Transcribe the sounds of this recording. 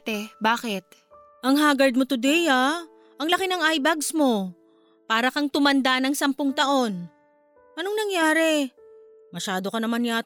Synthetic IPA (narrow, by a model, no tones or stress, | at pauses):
t̪ɛbaːkɛt̪̚ | ʔɐŋɦaːɡɐɹd̪̚mot̪ʊd̪ɛjaː | ʔɐŋlɐkɪnɐŋajbɐɡsmo̞ | paːɾɐkɐŋt̪ʊmɐnd̪anɐŋsɐmpoŋt̪ɐʔo̞n | ʔɐnoŋnɐŋjaːɾɛ | mɐʃaːd̪o̞kɐnɐmanja